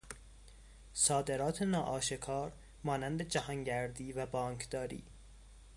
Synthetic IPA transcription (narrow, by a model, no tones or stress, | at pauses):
sɒːd̪e̞ɾɒːt̪ʰenɒːʔɒːʃekʰɒːɾ | mɒːnænd̪e̞d͡ʒæhɒŋɟæɾd̪iːvæbɒːŋkʰd̪ɒːɾḭː